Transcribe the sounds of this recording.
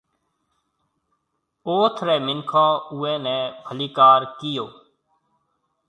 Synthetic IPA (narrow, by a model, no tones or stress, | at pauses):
oːt̪ʰɾɛːmɪnkʰãːuːɛ̃ːnɛ̃ːbʰʱəliːkaːɾkɪjoː